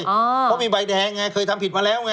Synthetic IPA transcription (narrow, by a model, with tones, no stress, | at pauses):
ɔː˧˩ɔ˦˥˩miː˧ba˧jdɛː˧ŋŋaː˧˩jkʰɤː˧jt̪ʰa˧mpi˨˩maː˧lɛː˦˥˩wŋa˧